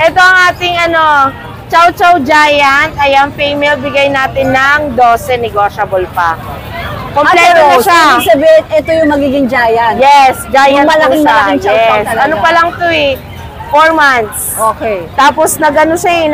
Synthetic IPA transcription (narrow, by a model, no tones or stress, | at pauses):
ʔɛt̪o̞ɐŋʔaːt̪ɪŋɐno̞ | t͡ʃɐwt͡ʃɐwd͡ʒaːjɐnt̪̚ɐjaŋfɛjmɛlbɪɡajnaːt̪ɪnːɐŋd̪o̞ːsɛnɛɡoːʃɐbolpɐ̰ | komlɛːt̪oɐʃaɪɡsɐbiɪnɛt̪ojʊŋmɐɡiːɡɪŋd͡ʒaːjɐnjɛsd͡ʒaːjɐnɐlɐɪɐajɛsɐnopɐlɐŋt̪oɛ | foɹmant̪s | okejt̪aːposnɐɡɐnosɐin